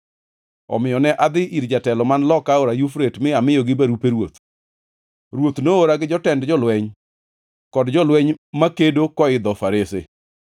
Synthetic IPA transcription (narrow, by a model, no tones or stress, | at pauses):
ɔ̰mɪjɔnɛʔad̪ɪʔiɾd͡ʒatɛlɔmanlɔkaoɾajufɾetmɪamɪjɔɡɪbaɾupeɾwot̪ | ɾwot̪nooɾaɡɪd͡ʒɔtɛndd͡ʒɔlwɛɲ | kɔdd͡ʒɔlwɛɲmakedokɔɪd̪ɔfaɾese